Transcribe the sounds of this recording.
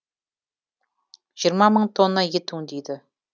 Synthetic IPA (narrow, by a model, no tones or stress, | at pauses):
ʒ̥ijəɾmɑməɴt̪ʰo̞nːɑjet̪uŋd̪ejd̪ɪ